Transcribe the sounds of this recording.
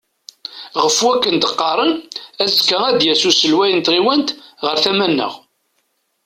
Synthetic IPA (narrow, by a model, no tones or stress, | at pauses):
ʁəfwækːənd̪əqːɑɾˤənæzkəæd̪jæsusəlwæjənt̪ʁiwænt̪ʁəɾθæmænːə̰ʁ